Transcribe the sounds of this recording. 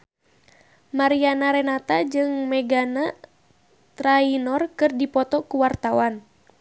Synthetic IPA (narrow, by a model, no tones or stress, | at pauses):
maɾianaɾɛnat̪ad͡ʒɨŋmɛɡana | t̪ɾainɔrkɨrdipɔt̪ɔkuwart̪awan